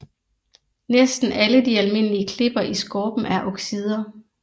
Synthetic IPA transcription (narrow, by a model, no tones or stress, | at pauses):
nesd̥n̩ʔæləd̥iælme̝n̰əliəkʰle̝b̥ɐʔisɡ̥ɒːb̥n̩æɐʔɒ̽ɡ̥sið̞ˠɐ